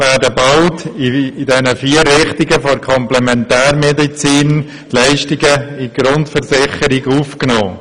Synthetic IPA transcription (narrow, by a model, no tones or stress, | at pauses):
vɛːɾdəbaʊtidɛnəfiːərːɪχtɪɡəfoɾkʰɔmplɛmɛntɛːɾmɛdit͡siːn | lɛɪʃtɪɡəiɡ̥ɾʊntfəɾsɪχəɾɪɡuːfknɔː